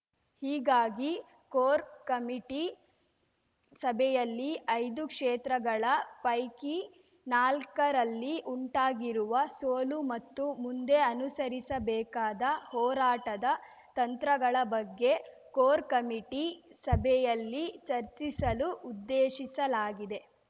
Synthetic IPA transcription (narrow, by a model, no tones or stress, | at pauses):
hiːɡaːɡi | koːɾkɐmiʈi | sɐbʱɛjɐlːiʔɐjd̪ukʂɛːt̪ɾɐɡɐɭɐpɐjki | naːlkɐɾɐlːiʔuɳʈaːɡiɾuʋɐsoːlumɐt̪ːumund̪e̞ɐnusɐɾisɐbɛːkaːd̪ɐhɔːɾaːʈɐd̪ɐ | t̪ɐnt̪ɾɐɡɐɭɐbɐɡːe̞ | koːɾkɐmiʈisɐbʱɛjɐlːit͡ʃɐɾt͡ʃisɐluʔud̪ːeːʃisɐlaːɡid̪e̞